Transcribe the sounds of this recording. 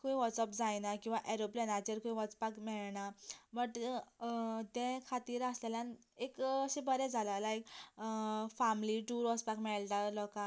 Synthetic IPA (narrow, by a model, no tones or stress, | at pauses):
kuĩʋɔt͡səp̚d͡zajnakĩw̃ʋaʔeɾoplenat͡ɕeɾkuĩʋɔt͡spakmɛɭɳabəʈ | t̪ɛ̃kʰat̪iːɾəsleljãn | ekəɕĩbəɾɛd͡zʱalalajk | famliʈuɾʋɔspakmɛɭʈ̪alɔkã